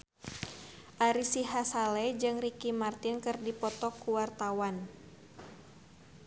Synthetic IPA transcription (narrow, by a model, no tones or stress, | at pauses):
ʔaɾisiɦasalɛd͡ʒɨŋrikimart̪inkɨrdipɔt̪ɔkuwart̪awan